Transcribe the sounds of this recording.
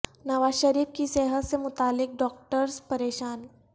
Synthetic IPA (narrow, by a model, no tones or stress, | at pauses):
nɐʋaːʃəɾiːfkiseɦət̪semʊt̪aːlːɪk̚ɖɔːk̚ʈəɾspɐɾeːʃaːn